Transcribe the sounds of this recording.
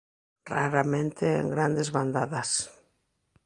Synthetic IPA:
raɾamẽnt̪eḛŋɡɾand̪ezβand̪aðas

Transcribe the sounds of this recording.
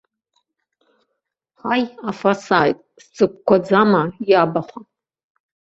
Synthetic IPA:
ħajafasajtʼst͡sʼɨkʷkʷːad͡zamajabaχʷa

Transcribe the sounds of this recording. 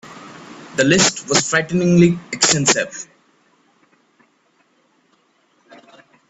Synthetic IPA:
d̪əlɪsʈʋɔz̥fɾaɪʈnɪ̃ŋliɛksʈɛ̃nsɪv

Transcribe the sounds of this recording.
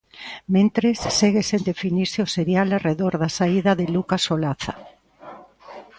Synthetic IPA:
mẽnt̪ɾesːeɣesend̪efiniɾsɪoseɾjalareðoɾðasaiðɐðelukasolaθa

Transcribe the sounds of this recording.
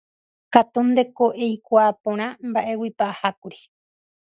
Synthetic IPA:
kat̪und̪e̞koʔejkʷaːpõɾ̃ãmbaʔe̞wipaʔahakuɾi̥

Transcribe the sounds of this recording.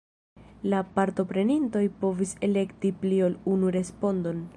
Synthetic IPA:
lapaɾto̞pɾe̞ninto̞jpo̞vise̞le̞ktiplio̞lunuɾe̞spo̞ndo̞n

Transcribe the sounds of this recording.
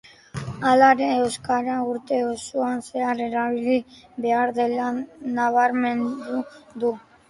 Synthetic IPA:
alaɾeːwskaɾauɾt̪e̞osuanse̞are̞ɾaβiliβe̞aɾðe̞lanaβ̞aɾme̞nd̪ud̪u

